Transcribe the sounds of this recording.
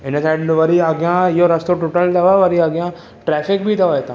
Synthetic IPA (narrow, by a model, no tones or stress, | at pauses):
ɪ̃nəsaɖʋɐɾiaɡjãjoɾɐst̪oʈuːʈəld̪ɐʋaʋɐɾiaɡjã | ʈɾɛːfɪkbʱid̪ɐʋaet̪ã